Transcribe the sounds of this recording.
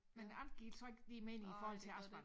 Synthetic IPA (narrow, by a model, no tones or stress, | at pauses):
menɑnd̥ɡ̥ḭːlsɒ̽e̝ɡ̥limenifɒːhɒ̽l̰t͡sʰe̝ɑ̈sb̥e